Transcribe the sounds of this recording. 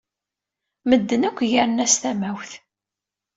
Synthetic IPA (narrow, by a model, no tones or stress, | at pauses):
məd̪ːənækʷːjaɾənæst̪æmæwθ